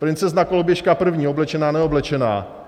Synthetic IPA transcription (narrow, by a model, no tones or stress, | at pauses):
pɾɪnt͡sɛznakolobjɛʃkapr̩vɲiːoblɛt͡ʃɛnaːnɛo̞blɛt͡ʃɛna̰ː